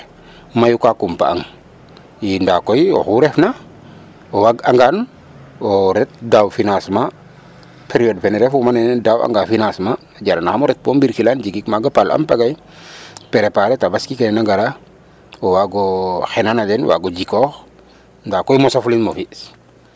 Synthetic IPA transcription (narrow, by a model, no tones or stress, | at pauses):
majukakumpa̰a̰ŋ | jindakojo̰xuɾefna | owaɡaŋɡan | oɾet̪̚dawfinasma | peɾiodfeneɾefumanendawa̰ŋɡafinasma | ɟaɾanaxamoɾet̪̚pombiɾkiland͡ʒikikmaɡapalʔa̰mpaɡaj | peɾepaɾetabaskikenɛnaɡaɾa | owaɡɔxenanadenwa̰ɡɔd͡ʒikox | ndakojmosaflinmofis